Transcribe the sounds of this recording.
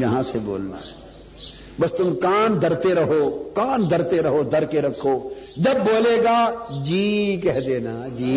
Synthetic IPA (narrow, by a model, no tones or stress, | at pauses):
jɐɦãsebo̰ːlna̰ɦɛː | bɐst̪ʊmkaːnd̪ʱɐɾt̪eɾɐɦoːkaːnd̪ʱɐɾt̪eɾɐɦod̪ʱɐɾkeɾɐkʰːoːd͡ʒɐbːoːleːɡaːd͡ʒiːkɛɦd̪eːnaːd͡ʒiː